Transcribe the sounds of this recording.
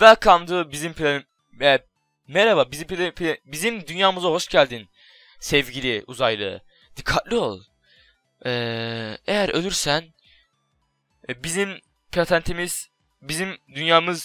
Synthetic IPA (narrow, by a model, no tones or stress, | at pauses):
vɛkʰamd̪ɯbizimpʰilʲan | ɛ | meɾababizimppʰʲbizimd̪ynjaːmɯzaɦo̞ʃɟælʲd̪in | sɛvɟilʲiʔuzajlˠɯ̰ | d̪̥ikʰːat̪̚lʲˠio̞̰lˠ | ɛːejæɾø̞̰lʲyɾsæn | bizim | pʰlat̪ʰænt̪ʰimiz̥ | bizimd̪ynjaːmɯz